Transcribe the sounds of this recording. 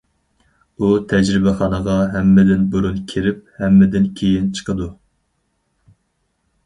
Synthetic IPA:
ut̪ʰɛd͡ʒɾɪbɛχɑːnəʁɑɦɛmːɪd̪ɪnbuɾunkʲʰiɾɪp̚hɛmːɪd̪ɪnkʲʰejint͡ʃʰə̥qəd̪u

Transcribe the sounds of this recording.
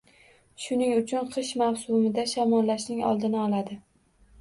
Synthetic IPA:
ʃʊnɪŋʊt͡ʃʰʊnqʰɨʃmawsʊmɪd̪aʃamɒnlaʃnɪŋɒ̰lˠd̪ɪnɪɒlˠad̪ɪ

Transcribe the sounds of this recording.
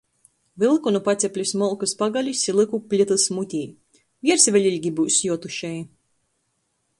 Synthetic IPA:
vɨlˠkunupat̪sʲɛpʲlʲusmɔlˠkɨspaɡalʲisʲilˠɨkupʲlʲit̪ɨsmut̪ʲiː | vʲiɛɾsvʲɛlʲilʲɡʲibuːsjuɔt̪uʃɛj

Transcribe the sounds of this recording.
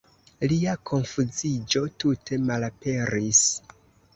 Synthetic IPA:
liakʰo̞nfuzid͡ʒo̞tutʰe̞malape̞ɾis

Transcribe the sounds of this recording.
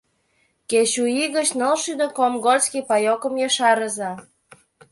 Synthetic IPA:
ket͡ɕuiɣə̆t͡ɕnəlʃyd̪okomɡolʲskipɑjokə̆mjɤʃɑɾə̆zɑ

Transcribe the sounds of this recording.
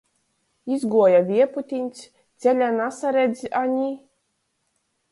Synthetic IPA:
izɡuɔjavʲiɛput̪ʲinʲsʲ | t̪sʲɛlʲanasaɾed̪zʲaɲʲi

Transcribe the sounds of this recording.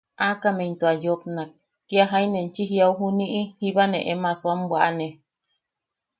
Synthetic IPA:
akament̪oajop̚nak̚ː | iaɦajnent͡ʃiɦiawɦuniʔihiβaneʔemaswambwaʔane

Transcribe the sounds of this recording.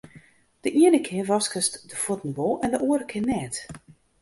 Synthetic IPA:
d̥əʔiənəkʰɪərʋɔskəstdəfutən̩boʔɛndəʔoːəɾəkʰɪnɛːt

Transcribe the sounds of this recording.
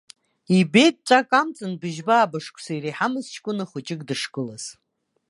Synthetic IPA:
ibe̞jt̚t͡ɕʷʼakʼamt͡sʼɨnbɨʒbaːbaʂkʷʰʼsajɾejħamɨzt͡ʃʰkʷʼʊnɨχʷʊt͡ʃʼɪkʼdɨʂkʼɨlaz̥

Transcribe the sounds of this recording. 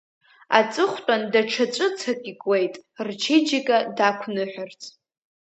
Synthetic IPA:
a̰t͡sʼɨχʷtʼandaʈ͡ʂʰat͡ʃʷʼɨt͡sʰakʼikʼwejtʼrt͡ʃʰid͡ʒikʼadakʷʰnɨħʷart͡sʰʼ

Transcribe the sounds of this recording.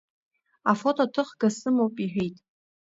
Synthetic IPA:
afotʼotʰɨχɡasɨmowpʼiħᶣejtʼ

